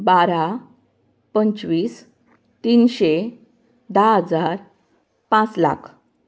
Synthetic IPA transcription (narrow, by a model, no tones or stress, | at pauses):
baɾa | pənt͡sʋiːs | t̪iːnɕe | d̪aɦəd͡zaɾ | pãt͡sla̰kʰ